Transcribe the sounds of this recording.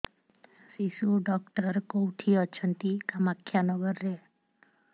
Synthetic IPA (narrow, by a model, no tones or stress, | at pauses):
siʃuɖɔkʈəɾkowʈʰiɔt͡ʃʰənt̪ikamakʰjanɔɡəɾːe